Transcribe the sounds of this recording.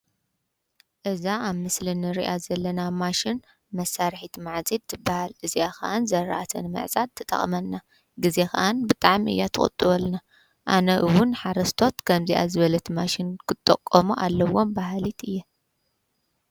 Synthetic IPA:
ʔɨzaaβmːɨslɨnɨɾiʔazɐlːɐnamaʃin | mɐsːaɾħit̪maʕzid̪zɨbːahalʔɨziakʰa̰ʔanzɐɾaʔat̪ʰɐ̰nɨmɨ̰ʕzʼat̪ʰːɨ̥t̪ʼɐ̰χʼmɐnːa | ɡɨze̞kʰa̰ʔanbɨt̪ʼaʕmʔɨ̰jːat̪ʰɨ̰xʼɨ̰t̪ʼːɨβɐlna | ʔanɐʔɨwʊnħaɾɐst̪ʰo̞t̪kʰɐmziʔa̰zɨβɐlɐt̪ʰimaʃinkʰɨt̪ʼːɐ̰kʼːomuʔalːɐwo̞mbaɦlit̪ɨjːɛ

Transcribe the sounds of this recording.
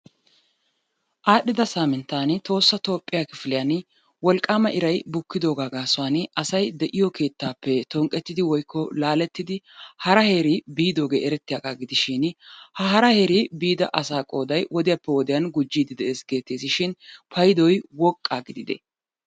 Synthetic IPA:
ʔaːɗɪd̪ɐsaːmɪnt̪ːaːnt̪o̞ːsːɐt̪o̞ːpʼːɪjakɪfɪlɪjan | wɔlkʼːaːmɐʔɪɾɐjbʊkːɪd̪o̞ːɡaːɡaːsʊaːnɐsɐjd̪ɛʔɪjɔkʰe̞ːt̪ːaːpːɛt̪ɔŋkʼɛt̪ːɪd̪ɪwɔjkʰːɔlaːlɛt̪ːɪd̪ɪhɐɾɐhe̞ːɾibiːd̪o̞ːɡe̞̰ːʔɛɾɛt̪ːɪjaɡaːɡɪd̪ɪʃɪnhɐɦɐɾɐhe̞ːɾibiːd̪ɐ̰ʔɐsaːkʼo̞ːd̪ɐjwɔd̪ɪjapːɛwɔd̪ɪjɐnɡʊd͡ʒːiːd̪ɪd̪ɛʔe̞ːsɡe̞ːt̪ːeːsɪʃɪnpʰɐjd̪ɔjwɔkʼːaːɡɪd̪ɪd̪ɛ̰

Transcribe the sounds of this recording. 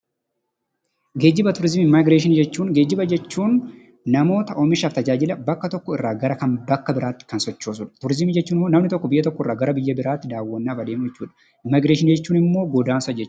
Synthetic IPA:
ɡe̞ːd͡ʒːɪbɐt̪ʊɾɪzmiɪmaɡɾeːʃ̬ɪnd͡ʒɛt͡ʃːuːŋɡe̞ːd͡ʒːɪbɐd͡ʒɛt͡ʃːuːnː | ɐmo̞ːt̪ɐʔɔmɪʃaft̪ɐd͡ʒaːd͡ʒɪlɐbɐkːɐt̪ɔkːɔɪrːaːɡɐɾɐkɐnbɐkːɐbɪɾʔaːt̪ːɪ̥kɐnsɔt͡ʃːo̞ːsʊᶑɐ̥t̪ʊɾɪzɪmid͡ʒɛt͡ʃːuːnɪmːoːnɐmnɪt̪ɔkːɔbɪjːɐt̪ɔkːɔɪrːaːɡɐɾɐbɪjːɐbɪɾaːt̪ːɪd̪aːwːɐnːaːbɐd̪eːmd͡ʒɛt͡ʃːuːᶑɐ̥ | ʔɪmːaɡɾeːʃɪnd͡ʒɛt͡ʃːuːnɪmːo̞ːɡɔd̪aːnsɐd͡ʒɛt͡ʃː

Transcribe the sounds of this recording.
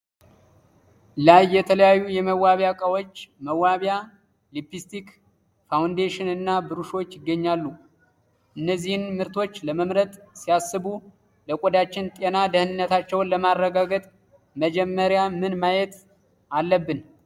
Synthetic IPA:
lajːɛt̪ʰələjajːujɛməwːaβjakʼəwot͡ʃːməwːaβja | lipist̪ik | fawnd̪eʃɪnɨnːabɨɾuʃo̞t͡ʃːɪɡːəɲːalːu | ʔɨnːəzːihɨnmɨɾt̪ʰo̞t͡ʃːləməmɾət̪ʼsijasːɨbu | ləkʼod̪at͡ʃːɪnt̪ʼenad̪əhɨnɨnːət̪at͡ʃːɛwnləmarːəɡaɡət̪ʼ | məd͡ʒɛmːəɾjamɨnmajɛt̪ | alːəbːɨn

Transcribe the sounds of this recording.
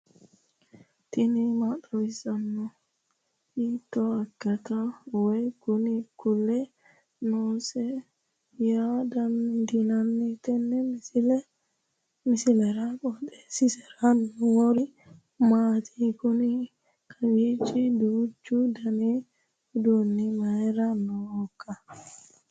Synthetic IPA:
t̪ɪnimat̪ɔwɪsɐnːɔ | it̪ːɔɐkːɐt̪awɔjkʊnikʊlːɛ | noːsɛ | jaːd̪ɐnd̪inɐnːit̪ɛnːɛl | misilɛɾakɔd̪ɛ̥sisɛɾanwɔɾi | mat̪ʰi̥kuni | kʰaɡit͡ʃːidud͡ʒud̪ani | udunːimaɛɾanːɔwɔkːa

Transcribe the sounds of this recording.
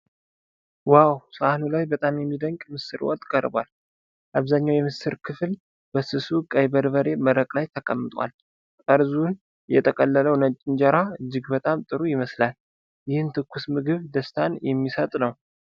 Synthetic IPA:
wawsəanulajbət̪ʼamjɛmːid̪əŋkʼmɨsːɨɾwɔ̰t̪ʼkʼəɾbwa̰l | ʔaβzaɲːawjɛmɨsɨɾkʰɨfl | bəsɨsukʼəjbəɾbəɾe̞məɾəkʼlajt̪ʰəkʼəmːɨt̪ʼwa̰l | kʼəɾzun | jɛ̰t̪ʼʰəkʼəlːələwnət͡ʃʼːɪnd͡ʒəɾaɨd͡ʒːɪɡbət̪ʼamt̪ʼɨɾujɪməslal | jɪhɨnt̪ʰɨkʰʷːusmɨɡɨβd̪əst̪ʰanjɛmːisət̪ʼnəw

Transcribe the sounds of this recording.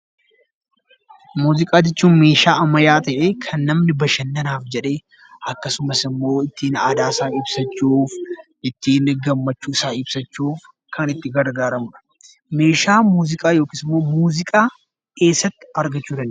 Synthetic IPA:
muːzɪkʼaːd͡ʒɛt͡ʃːuːnme̞ːʃaːʔɐmɐjaːt̪ɐʔeːkʰɐnːɐmnɪbɐʃɐnːɐnaːfd͡ʒɛᶑe̞ː | ɐkːɐsʊmɐsɪmːo̞ːɪt̪ːiːnaːd̪aːɪsaːnɪbsɐt͡ʃːuːfʔɪt̪ːiːnɡɐmːɐt͡ʃːuːɪsaːɪbsɐt͡ʃːuːf | kʰɐnɪt̪ːɪɡɐɾɡaːɾɐmʊᶑɐ̥ | me̞ːʃaːmuːzɪkʼaːjo̞ːkiːsɪmːo̞ːmuːzɪkʼaː | ke̞ːsːɐt̪ːɪ̥ɐɾɡɐt͡ʃːuːᶑɐn

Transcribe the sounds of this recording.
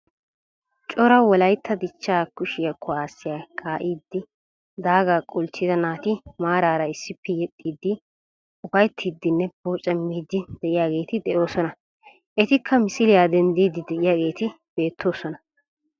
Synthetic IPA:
t͡ʃʼɔɾɐwɔlɐjt̪ːɐd̪ɪt͡ʃːaːkʊʃɪjɐkʰːɔaːsːɪjakʰaːʔiːd̪ːɪ | d̪aːɡaːkʼʊlt͡ʃːɪzɐnaːt̪ɪmaːɾaːɾɐɪsːɪpːɛjɛt̪ʼːiːd̪ːɪ | ʊbɐjt̪ʰːiːd̪ːɪnːɛboːt͡ʃʼɛmːiːd̪ːɪd̪̥ɛʔɪjaːɡe̞ːt̪ɪd̪ɛʔo̞ːsɔnɐ | ʔɛt̪ɪkʰːɐmɪsɪlɪjaːd̪ɛnd̪iːd̪ːɪd̪ɛʔɪjaːɡe̞ːt̪ɪ | b̥e̞ːt̪ʰːo̞ːsɔnɐ

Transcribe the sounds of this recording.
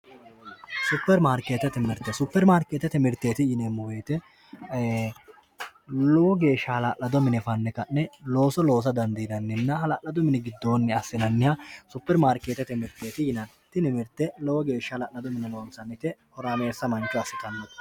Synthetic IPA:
sʊpːɛɾmaːɾkeːt̪ɛt̪ɛmɪɾt̪ːɛsʊpːɛɾmaːɾkeːt̪ɛt̪ɛmɪɾt̪ːeːt̪ɪjɪnemːʊweːt̪ɛ | lowɔɡe̞ːʃːɐhɐlaʔɐd̪ɔmɪnɛfɐnːɛkɐnːɛlo̞ːsɔlo̞ːs̬ɐd̪ɐnd̪id̪ɐnːɪnːɐɦɐlaːʔɐd̪ɔmɪnɛɡɪd̪ːo̞ːnːɛɐsːɪnɐnːɪjɐsʊpːɛɾmaːɾkːeːt̪ɛt̪ɛmɪɾt̪ːeːt̪ɪjɪnɐn | t̪ːɪnɪmɪɾt̪ːɛlɔwɔɡe̞ːʃːɐhɐlalːɐd̪ɔmɪnɛloːnsɐnːɪt̪ɛhɔɾaːmeːsːɐmɐnt͡ʃːɔɐsɪ̥kːɐnːɔ

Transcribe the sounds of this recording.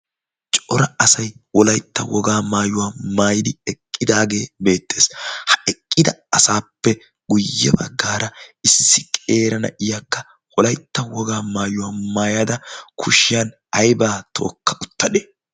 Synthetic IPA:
t͡ʃʼɔɾɐɐsɐjwɔlɐjt̪ːɐwɔɡaːmaːjʊwaːmaːjɪd̪ɪɛkʼːɪd̪aːɡe̞ːbe̞ːt̪ːe̞ːshɐ̥ʔɛkʼːɪd̪ɐɐsaːpːɛ | ɡʊjːɛbɐ̰ɡːaːɾɐɪsːɪkʼe̞ːɾɐnɐ̰ʔɪjaːkːɐ | wɔlɐjt̪ːɐwɔɡaːmaːjʊwaːmaːjad̪ɐkʰʊʃɪjan | ɐjbaːt̪ʰo̞̰ːkːɐʔʊt̪ːɐɗe

